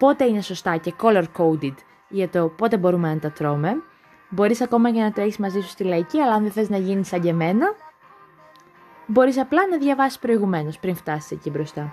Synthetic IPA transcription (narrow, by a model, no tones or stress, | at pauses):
po̞t̪e̞ine̞so̞st̪ɐce̞ko̞lo̞ɾkowd̪it̪ | ʝɐt̪o̞po̞t̪e̞bo̞ɾumenɐnt̪ɐt̪ɾo̞me̞ | bo̞ɾisɐko̞mɐʝɐnɐt̪ɾeçizmɐzisu̥st̪ilɐiciɐlɐɐnðeθeiznɐʝinisɐɲɟeme̞nɐ | bo̞ɾisɐplɐnɐðʝɐvɐsi̥spɾo̞iɣume̞no̞spɾiŋft̪ɐsi̥secibɾo̞st̪ɐ